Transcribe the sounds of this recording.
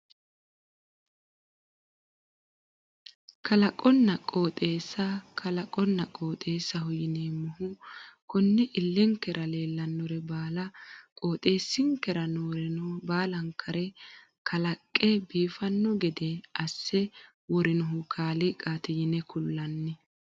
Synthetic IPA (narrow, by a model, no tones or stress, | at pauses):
kʰɐlɐkʼɔnːɐkʼo̞ːt̪ʼe̞ːsːɐkʰɐlɐkʼɔnːɐkʼoːt̪ʼe̞ːsːɐhʊjɪneːmːɔhʊkɔnːɛʔɪlːɛŋkːɛɾʔɐle̞ːlːɐnːɔɾɛbaːlɐkʼoːt̪ʼe̞ːsːɪŋkːɛɾɐnoːɾɛnɔbaːlɐŋkʰɐɾʔɛ | kʰɐlɐkʼːɛbiːfɐnːɔɡɛd̪ɛʔɐsːɛ | wɔɾɪnɔɦʊkʰaːlɪkʼaːt̪ɪjɪnɛkʰʊlːɐnːɪ